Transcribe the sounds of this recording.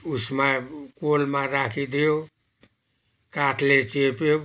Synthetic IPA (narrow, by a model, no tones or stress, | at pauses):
usmakolmaɾakʰid̪eo | kaʈʰlet͡ʃepe